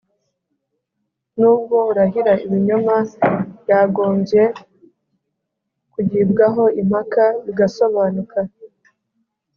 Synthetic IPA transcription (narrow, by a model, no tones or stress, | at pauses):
nuːb̚ɡouɾaɦiɾaiβiɲomajaːɡo̞ːɲɟje̞ | kuɟiːbɡaɦo̞im̥hakaβiɡaso̞βaːnukʰa